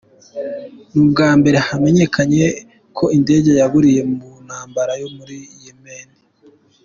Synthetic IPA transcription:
nub̚ɡaːmbe̞ɾe̞hame̞ɲe̞kʰaɲe̞ | kʰo̞inde̞ːɟejaβuɾije̞mun̥haːmbaɾajo̞muɾijeme̞ːnde

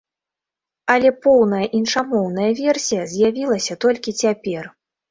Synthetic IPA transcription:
ɐlʲɛpɔwnɐjɐʔinʂamɔwnɐjɐvʲɛrsʲijɐzʲjavʲilˠɐsʲɐt̪ɔlʲkʲit͡sʲapʲɛr

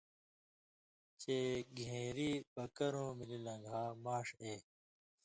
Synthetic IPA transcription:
t͡ɕeːɡʱẽːɾiːbɐkɐɾõːmililɐ̃ŋɡʱaːmaːʂeː

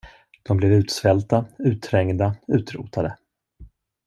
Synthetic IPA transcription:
d̪̥ɔmblɛvʉ̟ːt̪svɛlt̪aʉ̟ːt̪ʰːɾɛŋd̪aʉ̟ːt̪ɾṵːt̪ʰad̪ə

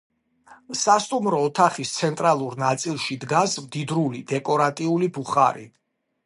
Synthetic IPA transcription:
sast̪ʼumɾɔːt̪ʰaχist̪sʰɛnt̪ʼɾalˠuɾnat̪sʼilˠʃid̪ɡasmd̪id̪ɾulid̪ɛkʼɔɾat̪ʼiulibuχa̰ɾḭ

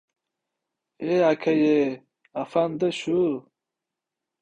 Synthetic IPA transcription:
eakʰɐje | afand̪əɕu

